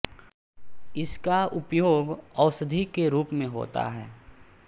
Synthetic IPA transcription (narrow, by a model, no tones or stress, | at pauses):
ɪskaʊpjoːɡɔʊsəd̪ʱikeɾuːpmẽɦo̰ːt̪a̰ɦɛː